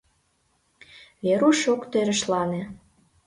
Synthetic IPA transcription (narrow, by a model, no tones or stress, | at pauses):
βeɾuʃokt̪øɾə̆ʃlɑne